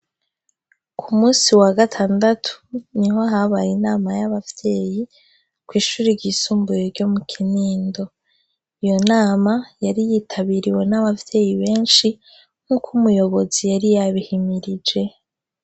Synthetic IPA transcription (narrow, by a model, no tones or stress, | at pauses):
kʰumuːsiwaɡatʰaːndatʰu̥niɦoɦaβajinaːmajaβavje̞ːji | kwiːʃuːɾiɟisuːmbujeɾɟo̞mukʰiniːndo̞ | ijo̞naːmajaɾijiːtʰaβiɾiwe̞naβavje̞ːjiβe̞ːnʃi | ŋ̥hukʰumujo̞βo̞zijaɾijaβihimiɾid͡ʒe̞